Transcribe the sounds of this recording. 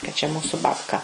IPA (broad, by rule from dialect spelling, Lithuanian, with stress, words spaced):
kɐ t͡ʃʲɛ ˈmuːsʊ bɐpˈkɐ